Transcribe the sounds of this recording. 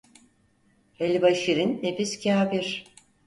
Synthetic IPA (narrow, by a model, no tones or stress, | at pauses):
ɛlʲbaʃiɾinːefiscʰaːbiɾ̥